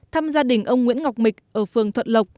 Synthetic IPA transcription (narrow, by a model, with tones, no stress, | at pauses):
t̪ʰaː˧mzaː˧ɗï˧˩ŋ̟ʔə˧wŋ͡mŋḭ˧˥ənŋa˨˩wk͡p̚mï˨˩k̟̚ʔəː˧˩fɨ˨˩əŋt̪ʰə˧˨n̚lə˨˩k͡p̚